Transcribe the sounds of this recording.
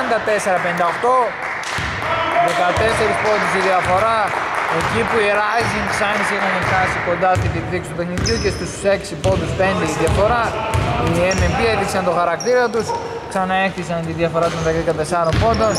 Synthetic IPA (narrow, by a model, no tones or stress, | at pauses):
ɐnd̪ɐt̪e̞se̞ɾɐpenind̪ɐoxt̪o̞ | ðekɐt̪e̞se̞ɾispond̪usiðiɐfo̞ɾɐe̞cipuiɾɐziŋksɐnisixɐnefnɐsiko̞nd̪ɐst̪it̪ipθiksi̥t̪upexniðjucest̪usse̞ksipo̞nd̪uspe̞nd̪eiðjɐfo̞ɾɐiemembieθiksɐnt̪o̞xɐɾɐkt̪iɾɐt̪us | ksɐnɐe̞kθisɐnt̪iðjɐfo̞ɾɐt̪oðɐkkɐt̪e̞sɐɾo̞mpo̞nd̪o̞n